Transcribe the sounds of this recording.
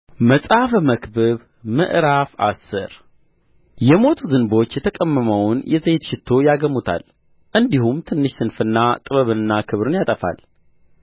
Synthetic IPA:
məsʼafməkbɨβ | mɨ̰ʔɾafa̰sːɨ̰ɾ | jɛmo̞t̪ʰuzɨnbo̞t͡ʃːjɛt̪ʰəkʼəmːəməwnjɛzet̪ʃɪt̪ʰːo̞jaɡəmːut̪ʰa̰l | ʔɨnd̪ihumt̪ʰɨnːɨʃsɨnfɨnːat̪ʼɨβəβɨnɨnːakʰɨβɾɨnjat̪ʼəfa̰l

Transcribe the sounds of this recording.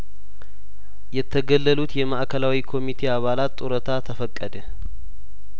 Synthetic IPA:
jɛt̪ʰːəɡəlːəlut̪jɛmaʔkʰəlawikʰo̞mit̪ʰe̞aβalat̪ːʼuɾət̪ʰat̪ʰəfəkʼːəd̪ə

